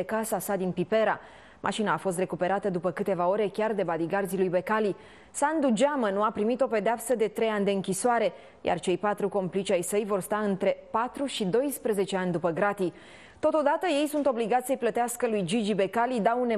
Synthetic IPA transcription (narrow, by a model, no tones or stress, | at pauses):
ekasasad̪inpipe̞ɾa | mʔa̰ʃinaːfo̞s̬t̪re̞kupe̞ɾat̪əd̪upəkɨt̪e̞vao̞ɾe̞kʲard̪e̞bad̪iɡard̪zilujbe̞kali | sand̪ud͡ʒamənuapɾimit̪o̞pe̞d̪eapsəd̪e̞t̪ɾe̞janʲd̪eɨŋkʲisoaɾe̞ | jʔa̰rt͡ʃe̞jpat̪ɾuko̞mplit͡ʃajsəjvo̞rst̪aɨnt̪ɾe̞pat̪ɾuʃid̪o̞jspɾeze̞t͡ʃe̞anʲd̪upəɡɾat̪i | t̪o̞t̪o̞d̪at̪əje̞jsunt̪o̞bliɡat̪ssəjplət̪easkəlujd͡ʒid͡ʒibe̞kalid̪aune